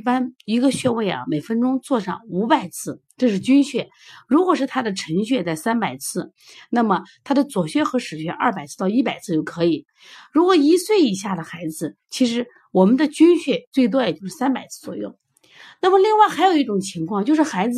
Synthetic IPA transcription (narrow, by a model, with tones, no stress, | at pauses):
pa˥ni˧˥ɡə˧ɕɥɛ˥˧we˥˩ɪɐ̰˩me˨˩ɪfə˥nʈ͡ʂʊ˥ŋt͡swɔ˥˧ʂɑ̰˥˩ŋu˧˥pa˨˩ɪt͡sʰɹ̩˥˩ʈ͡ʂɤ˥˧ʂɻ̩˥˩t͡ɕy˥nɕɥɛ˥˩ | ɻu˧˥kwɔ˨˩ʂɻ̩˥˩t̪ʰa˥d̪ə˨ʈ͡ʂʰə˧˥ŋɕɥɛ˥˧t͡sa˥˩ɪsa˥npa˨˩ɪt͡sʰɹ̩˥˩ | na˥˩mə˩t̪ʰa˥d̪ə˨t͡swɔ˨˩ɕɥɛ˥xɤ˧˥ʂɻ̩˨˩ɕɥɛ̰˥ʔɐ˞˥˩pa˨˩ɪt͡sʰɹ̩˥˧t̪ɑ˥˧ʊi˥pa˨˩ɪt͡sʰɹ̩˥˧jo˥˩ʊkʰɤ˧˥i˨˩˦ | ɻu˧˥kwɔ˨˩i˧˥swe˥˩ɪi˨˩ɕja˥˩d̪ə˩xa˧˥ɪd͡zɹ̩˧t͡ɕʰi˧˥ʂ̬ɻ̩˧˥ | wɔ˨˩mə˦nd̪ə˧t͡ɕy˥nɕɥɛ˥˧t͡swe˥˩ɪt̪̬wɔ˥jɛ˨˩t͡ɕjo˥˧ʊʂɻ̩˥sa˥npa˨˩ɪt͡sʰɹ̩˥˩t͡swɔ̰˨˩jʊ̰˥˩ʊ | na˥˩mə˩li˥˧ŋwa˥˩ɪxa˧˥ɪjo˨˩i˥˩ʈ͡ʂʊ˨˩ŋt͡ɕʰi˧˥ŋkʰwɑ˥˧ŋt͡ɕjʊʂɻ̩˥˩xa˧˥ɪd͡zɹ